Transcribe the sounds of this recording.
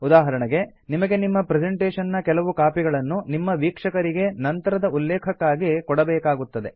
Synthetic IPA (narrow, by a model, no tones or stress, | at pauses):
ud̪aːɦɐɾɐɳɐɡe̞ | nimɐɡe̞nimːɐpɾed͡ʒeɳʈeːʂɐnːɐkɛlɐʋukaːpiɡɐɭɐnːunimːɐʋiːkʂɐkɐɾiɡe̞nɐnt̪ɐɾɐd̪ɐulːɛːkʰɐkːaːɡikɔɽɐbɛːkaːɡut̪ːɐd̪e̞